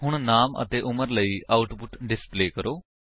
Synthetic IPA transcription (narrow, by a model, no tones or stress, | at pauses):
ɦʊɳ̃naːmə̰t̪eːʔʊməɾləiːʔaːʊʈpʊʈɖɪspleːkəɾoː